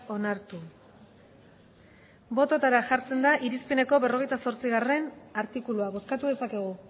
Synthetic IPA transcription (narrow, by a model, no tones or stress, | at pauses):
o̞naɾt̪u | bo̞t̪ot̪aɾaʝaɾt͡se̞nd̪aʔiɾispene̞ko̞βe̞ro̞ɣ̞ejt̪aso̞ɾt͡siɣ̞are̞naɾt̪ikuluaβo̞skat̪uðe̞sake̞ɣ̞u